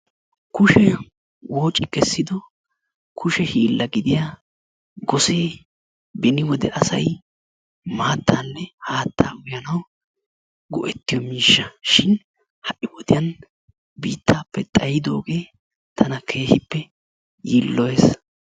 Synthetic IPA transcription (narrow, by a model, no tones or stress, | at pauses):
kʊʃɛ | woːt͡ʃʼɪkɛsːɪd̪ɔ | kʰʊʃɛhiːlːɐɡɪd̪ɪjaː | ɡɔse̞ː | bɛnɪwɔd̪ɛʔɐsɐj | maːt̪ʰːaːnːɛhaːt̪ːaːʔʊjɐnɐw | ɡʊ̰ʔɛt̪ːɪjɔmiːʃːɐʃɪn | hɐʔɪwɔd̪ɪjɐn | biːt̪ːaːpːɛt̪ʼɐjɪd̪o̞ːɡe̞ː | t̪ʰɐnɐkʰe̞ːhɪpːɛ | jiːlːɔjeːs